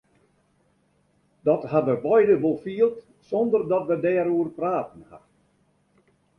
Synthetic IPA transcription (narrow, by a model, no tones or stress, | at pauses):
dɔtɦatʋəbɔjdəʋolˠfiəlˠt | sɔndərdɔtʋədɛːɾuərpraːtən̩ha̰t